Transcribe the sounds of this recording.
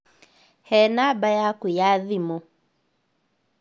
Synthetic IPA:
hɛnabajakujaðimɔ

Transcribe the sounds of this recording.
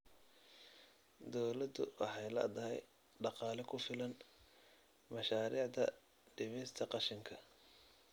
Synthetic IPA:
d̪ɔwlɐd̪ʊ̰wʔɑ̰ħɑjlɐ̰ːd̪ɐɦɛ̰j | ɖɑqɑːlɛkʰʊfɪlɐn | mɐʃaːɾiːʕd̪ɐ̰ | ɖɪmɪst̪ʰɐqɑʃɪŋkʰɐ

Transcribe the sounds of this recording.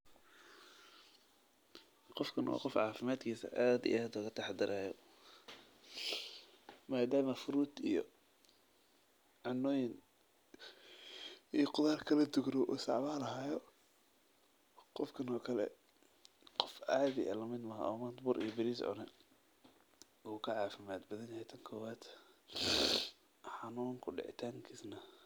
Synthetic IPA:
qɔfkʰɐnwɔ̰ːqɔfʕɑːfɪmaːd̪kʰiːsɐ̰ʔaːd̪ḭʔaːd̪ʊɣɐt̪ʰɑħd̪ɪɾʔaːjɔ | maːd̪aːmɐfʊɾuːd̪ijɔ̰ | ʕɑnːɔːjɪn | ijqʊðaːrkʰɐlɐd̪ʊɡɾɔʔuːsɑ̰ʕβaːlɐɦaːjɔ | qɔfkʰɐnɔːkʰɐlɛ̰ | qɔfʔaːðɪʔɐ̰lɐmɪd̪mɐɦʔɔːmɐnt̪bʊːɾʔḭjɔbɪɾiːsʕɔ̰nɛ | uːkʰɐʕɑːfɪmaːd̪bɐðɐnjɐhɛjt̪ʰɐŋkʰɔːwaːt̪ | ħɑnuːŋkʰʊɖɪ̰ʕɪ̰t̪ʰaːŋkʰiːsnɐ

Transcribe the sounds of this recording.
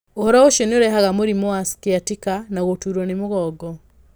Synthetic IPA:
ohɔɾɔoʃjɔneoɾɛɦaɣamoɾimoaskeatikanaɣotuɾwɔnemoɣɔːɡɔ

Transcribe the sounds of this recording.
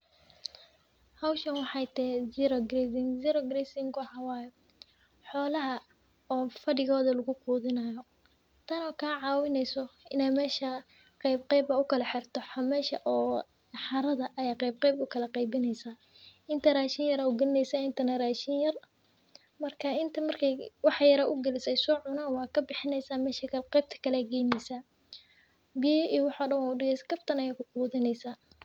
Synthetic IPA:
hɐwʃɐnwɑħɑjt̪ʰɛzɪɾɔɡɾɛsɪŋsɪɾɔɡɾɛsɪŋɡwʊħɑwaːj | ħɔːlɐɦɐ | ɔːfɐɽɪɣɔːðɐlʊɣʊkʰuːðɪnɐjɔ | t̪ʰɐnɔːkʰaːʕɑːwɪnɛjsɔɪnɛjmɛːʃɐ | qɛjbqɛjbɐʊkʰɐlɐħɪrt̪ʰɔħmɛːʃɐʔɔː | ħɑɾɐðɐʔɐjaːqɛjb̚qɛjbʊkʰɐlɐqɑjbɪnɛjsɐ | ɪnt̪ʰɐraːʃɪnjɐɾɐʊɡɐlɪnɛjsɐɪnt̪ʰɐnɐraːʃɪnjɐr | mɐrkʰɐɪnt̪ʰɐmɐrkʰɐjwɑħjɐɾɐʔʊɡɐlɪsɛjsɔːʕʊnaːnwɑːkʰɐbɪħɪnɛjsaːmɛːʃɐkʰqɛjb̚t̪ʰɐ̥kʰɐlɛɡɛjmɛjsa | bɪjɔiːwɑħɔːɖɐwʊɖɪɣɛjsɐ̥ɡɐbt̪ʰɐnɐjaːkʰʊquːðɪnɛjsaː

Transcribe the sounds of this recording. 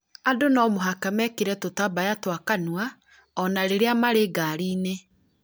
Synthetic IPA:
adonɔmoɦakamɛkeɾɛtotabajatwakanwa | ɔnaɾeɾeamaɾeɡaɾiːne

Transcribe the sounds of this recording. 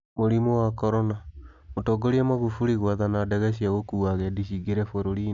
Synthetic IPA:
moɾimowakɔɾɔna | motɔːɡoɾiamaɣufuɾiɣwaðanadɛɣɛɕ̬iaɣokuːaɣɛdiɕiɡeɾɛfoɾoɾi

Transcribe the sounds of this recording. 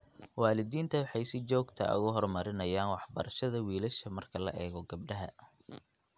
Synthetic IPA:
wɑːlɪðiːnt̪ʰɐwɑħɑjsɪt͡ʃɔːɡt̪ʰɐ̰ʔʊ̰ɣʊɦɔrmɐɾɪnɐjaːnwɑħbɐ̰ɾɐʃɐðɐwiːlɐʃɐmɐrkʰɐlɐ̰ʔɛːɣɔɡɐb̚ɖɐɦɐ

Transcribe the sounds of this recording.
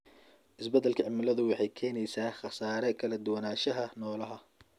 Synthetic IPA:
ʔɪsbɐd̪ɛlkʰɐʕɪmɪlɐðʊwɑħɑjkʰɛːnɛjsaːχɑsaːɾɛkʰɐlɐd̪ʊwɑnaːʃɐɦɐnɔːlɐɦɐ

